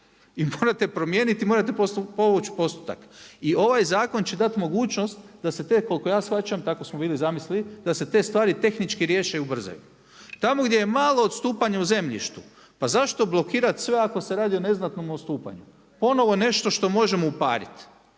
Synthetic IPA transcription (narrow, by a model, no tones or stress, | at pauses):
imoːɾat̪epɾo̞mje̞ːnit̪imo̞ːɾat̪eposupoʋut͡ɕpo̞st̪u̥t̪a̰kio̞ʋajzaːko̞nt͡ɕe̞d̪at̪mo̞ɡuːt͡ʃno̞st̪d̪ase̞t̪e̞ko̞lko̞jaːsxat͡ɕamt̪ako̞smobiːlizamislilid̪ase̞t̪e̞ːst̪ʋaːɾit̪e̞xnit͡ʃkiɾje̞ːʃeubr̩za̰jṵ | t̪amo̞ɡd̪jejemalˠo̞ːt̪st̪uːpaɲauze̞mʎḭʃt̪u | pazaʃt̪o̞blo̞kiːɾat̪sʋe̞ako̞se̞ɾaːd̪io̞ne̞znat̪nomost̪uːpa̰ɲu | po̞no̞ʋone̞ʃt̪o̞ʃt̪o̞mo̞ʒemo̞upa̰ːɾḭt̪